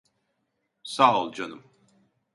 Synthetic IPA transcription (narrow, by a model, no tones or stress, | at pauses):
saːolˠd͡ʒanɯm